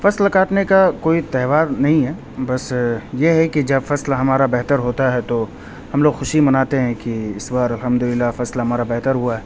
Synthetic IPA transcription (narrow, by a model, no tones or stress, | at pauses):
fɐslkaːʈnekakoːit̪ɛːɦʋaːɾnɐɦĩɦɛː | bɐsjeɦɛkid͡ʒɐbfɐslɦɐmaːɾabɛɦt̪əɾɦoːt̪aɦɛt̪o | hɐmloːɡxʊʃimɐnaːt̪eɦɛ̃kiɪswaɾɐlɦɐmd̪ʊlɪlːafɐslɦɐmaːɾabɛɦt̪əɾɦuaɦɛː